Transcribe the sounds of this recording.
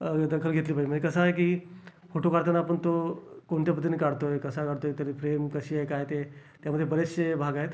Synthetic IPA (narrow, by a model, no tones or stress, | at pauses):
d̪əkʰəlɡʱet̪liːpad͡ʑməɳd͡ʑekəsaɦek̬iː | foʈokaɽt̪anaːpəɳt̪okoɳt̪japət̪̬inekaɽt̪oekəsakaɽt̪oet̪aɾifɾemkəɕiːaɦekaɦjt̪et̪jaməd̪ʱjebəɾeɕebʱaɡaɦet̪